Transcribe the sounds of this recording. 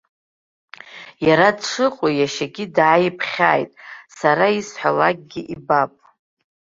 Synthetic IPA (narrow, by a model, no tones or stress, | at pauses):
jaɾadʂʰɨqʼojaʃaɡʲidʕːjipʰχʲa̰ːjtʼsaɾaisħʷalakʼɡʲiʔibapʼ